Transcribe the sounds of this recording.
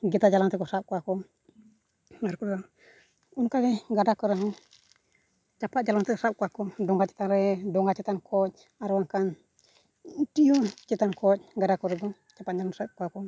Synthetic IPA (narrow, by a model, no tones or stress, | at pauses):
ɡɛt̪ad͡ʒalaŋt̪ɛkɔsap̚kuakɔ | aɾkudɔ | unkaɡɛɡadakɔɾɛɦɔ | t͡ʃapat̪̚d͡ʒalaŋt̪ɛsap̚kuakɔdɔŋɡat͡ʃɛ̥t̪aɾɛdɔŋɡat͡ʃɛt̪ankʰɔc̚ | aɾɛwaŋkan | tijut͡ʃɛt̪ankʰɔt̚ɡadakɔɾɛd̪ɔ | t͡ʃapat̪̚d͡ʒalɔnsap̚kuakɔ